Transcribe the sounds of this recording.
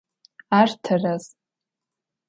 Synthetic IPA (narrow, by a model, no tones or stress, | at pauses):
artʰaraz